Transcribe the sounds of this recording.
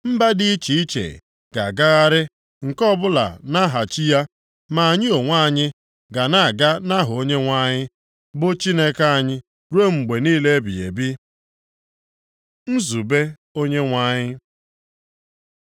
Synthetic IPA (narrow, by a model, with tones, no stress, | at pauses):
m̩˦ba˦dɪ˦i˦t͡ʃi˨i˦t͡ʃḛ˨ | ɡ̥a̰˨ɡa˦ɣa˦ɾɪ˦ | ŋ̩˨kɔ˦bʊ˦la̰˨na˦ɦa˨t͡ʃi˦ja˦ | ma˨a˨ɲɪ˦o˨ŋʷa˦˨ɲɪ˦ | ɡa˨na˨a˨ɡa˦na˦ɦʊ˨o˦ɲe˦ŋʷa˦ɲɪ˦ | bʊ˦t͡ʃi˦ne˦ka˦a˨ɲɪ˦ | ɾu˦o˦ŋ͡m̩˨ɡ͡be˨niː˦le˦bḭ˨ḛ˨bɪ˦ | n̩˦zu˨be˦ | o˦ɲe˦ŋʷa˦ɲɪ˦